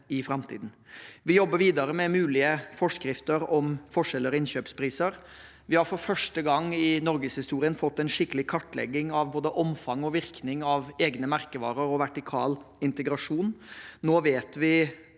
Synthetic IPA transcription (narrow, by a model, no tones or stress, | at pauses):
ɪfɾɑmt̪ʰḭːd̪n̩ | ʋɪjɔbːəɾʋiːd̪ɑɾəmɛmʉːlɪəfɔʂkɾɪft̪əɾɔmfɔʂɛlːəɾɔɪnɕøːpspʰɾiːsəɾ | ʋɪhɑɾfɔɾfœʂʈəɡɑŋːɪnɔɾɡəshɪst̪uːɾɪənfɔt̪ːɛnʂɪkːəlɪkʰɑʈːlɛ̰ɡːɪŋɑʋboːd̪əʔɔmfɑŋɔʋɪɾknɪŋɑʋeːɡnəmæɾkəʋɑːɾəɾɔʋæʈɪkʰɑ̰ːlɪnt̪əɡɾɑʂuːnnoːʋeːt̪ʋɪ